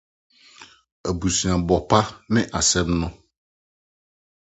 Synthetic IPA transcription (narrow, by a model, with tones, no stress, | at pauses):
e˨bu˨si˨ã˨bɔ˨pa˦mɪ̃˦ʔa˨sɛ˦mnɔ̃˦